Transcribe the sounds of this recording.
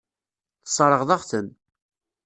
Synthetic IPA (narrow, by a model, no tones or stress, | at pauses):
θsˤɾˤəʁðˤɑʁθən